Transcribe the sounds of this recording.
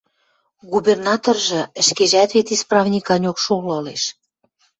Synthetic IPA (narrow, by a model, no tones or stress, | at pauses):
ɣubernɑt̪orʒɤ̆ə̆ʃkeʒæt̪βet̪isprɑvnʲikɑnʲokʃolɤleʃ